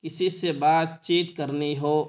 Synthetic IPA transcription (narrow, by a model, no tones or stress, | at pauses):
ɪsisebaːt̪t͡ʃiːt̪kɐɾniɦoː